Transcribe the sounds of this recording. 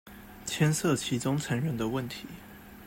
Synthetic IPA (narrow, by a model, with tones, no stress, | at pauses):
t͡ɕʰjɛ˥nsɤ˥˩t͡ɕʰi˧˥t͡sʊ˥ŋt͡sʰa˧˥nɻə˧˥nd̪ə˧wə˥˩nt̪ʰi˨˦